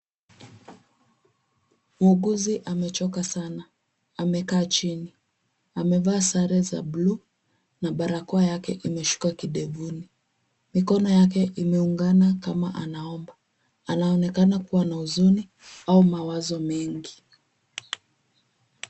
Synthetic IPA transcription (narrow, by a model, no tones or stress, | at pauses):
muuɡuziʔamɛt͡ʃɔkasanaː | mɛkaːt͡ʃini | amɛvaːsaɾɛza̰blu | naɓaɾakɔajakɛʔimɛʃu̥kakiɗɛvuni | mikɔnɔjakɛʔimɛuŋɡanakamaʔanaɔmba | anaɔnɛkanakuwanauzuni | aumawazɔmɛŋɡi